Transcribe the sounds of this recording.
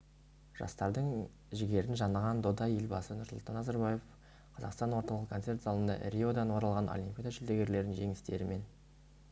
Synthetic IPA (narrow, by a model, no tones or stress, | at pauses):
ʒ̥ɑ̰st̪ɑɾd̪əɴ | ʒɪɡʲe̞ɾɪnʒɑnəʁɑnd̪od̪ɑjelʲbɑsənʊɾslˠt̪ɑnːɑzɑɾbɑje̞f | qʰɑzɑqst̪ɑnwo̞ɾt̪ɑlˠəqkʰot̪se̞rt̪zɑlˠənd̪ɑ̰rʲio̞d̪ɑnwo̞ɾɑlˠʁɑnʔo̰lʲimpʲid̪aʒɪld̪eɡʲe̞ɾle̞ɾd̪ɪnʒe̞ŋɪst̪e̞ɾɪme̞n